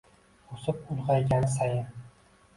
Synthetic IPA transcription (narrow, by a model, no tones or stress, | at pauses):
osɪpʊlʁɑjɡʲansajɪn